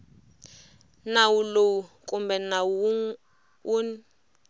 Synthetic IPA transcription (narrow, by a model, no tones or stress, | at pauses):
nawuloukʼumbɛnau | un